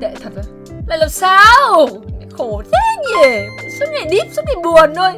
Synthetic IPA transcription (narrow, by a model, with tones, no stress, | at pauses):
ɗḛ˧˨t̪ʰə˨˩ə˨˩ | la̰ː˧˨jlə˨˩m̚saː˧wa̰ː˧˦xo˨˩˦t̪ʰe˨˦˥ɲi˨˩əwzə˦˥t̚ŋaː˨˩jɗi˦˥p̚zə˦˥t̚ŋi˨˩ɓu˨˩ənɗo˧j